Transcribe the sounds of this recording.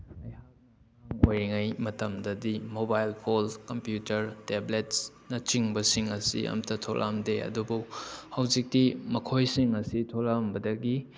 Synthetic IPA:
ɐjhak | aŋojɾiŋajmɐtɐmdɐdimobajlpʰolkɐmpjutɐɾteblets | nɐt͡ʃiŋbɐsiŋɐsḭʔɐ̰mtʰɐtʰoɾʔa̰mdeɐ̰dubuhɐwd͡ʒik̚timɐkʰojsiŋɐsitʰolambɐdɐɡi

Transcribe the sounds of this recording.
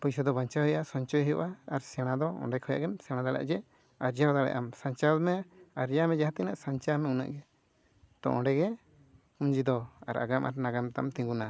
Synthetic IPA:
pɔjsɔd̪ɔbaɲt͡ʃahɔjʔasɔɲt͡ʃɔjɦɛjɔʔaːɾsɛɽ̃ad̪ɔɔ̰ɖɛkʰɔja̰ʔɡɛmsɛɽ̃ad̪aɽa̰ʔd͡ʒɛ | aɾd͡ʒawɔd̪aɽɛ̰ʔamsaɲt͡ʃamɛaɾjamɛd͡ʒaɦat̪ɛnaʔsaɲt͡ʃamɛuna̰ʔɡɛ | t̪ɔ̰̃ʔɔ̃ɖɛɡɛ | uɲd͡ʒid̪ɔa̰ɾa̰ɡama̰ɾnaɡamt̪aʔmt̪ĩŋɡuna

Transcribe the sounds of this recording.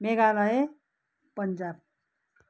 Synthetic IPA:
meɡalae | pənd͡ʒab̚

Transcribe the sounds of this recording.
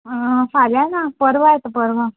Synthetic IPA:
saljanapəɾʋajet̪əpəɾʋə

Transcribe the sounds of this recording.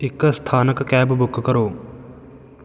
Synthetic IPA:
ɪkst̪ʰaːnəkːɛːbbʊkkəɾoː

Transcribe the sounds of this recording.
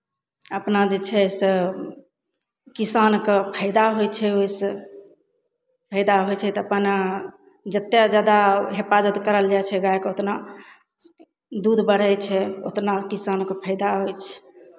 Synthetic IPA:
əpnad͡ʒet͡ʃʰɛsə | kisankəpʰəɪd̪aɦojt͡ʃʰɛojsə | pʰəɪd̪aɦojt͡ʃʰɛt̪ɔəpəna | d͡ʒət̪ːjad͡ʒad̪aɦepazət̪kəɾəld͡ʒajt͡ʃʰɛɡajkot̪na | d̪ud̪bəɽ̤ɛt͡ʃʰɛot̪nakisankəpʰəɪd̪aɦojt͡ʃʰɛ̥

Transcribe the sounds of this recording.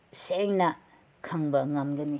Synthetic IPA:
seŋnɐ | kʰɐŋbɐŋɐmɡɐni

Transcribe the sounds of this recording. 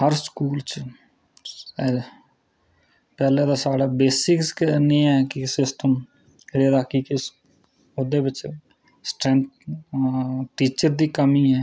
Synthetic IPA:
həɾskuːlt͡ʃ | pɛːled̪asaːɽaːbeːsɪksknẽːɛkisɪsʈəm | ɾeːd̪aːkikɪs | ʊd̪ebɪt͡ʃ | sʈɾɛ̃nt̪̚ | ʈiːt͡ʃəɾd̪iːkəmiːɦɛː

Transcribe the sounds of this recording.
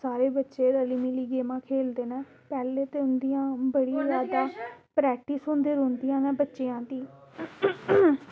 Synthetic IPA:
saːɾeːbətːʃeːɾəliːmiːliːɡeːmãːkʰeːld̪eːnɛ̃ː | pɛːleːt̪eːʊnd̪ijãːbəɽiːzjaːd̪aːpɾɛːk̚ʈisɦʊ̃nd̪eɾʊ̃ːnd̪ijãːnɛːbətːʃeːãːd̪iː

